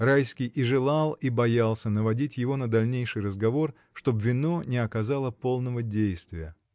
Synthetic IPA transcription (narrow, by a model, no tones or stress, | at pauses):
rajskʲɪjʔɪʐɨlˠalˠibɐjalˠsʲənəvɐdʲitʲjɪvo̞nəd̪ɐlʲnʲejʂɨjrəzɡɐvo̞r | ʂt̪o̞bvʲɪno̞nʲɪɐkɐzalˠəpo̞lˠnəvədʲejst̪vʲɪjə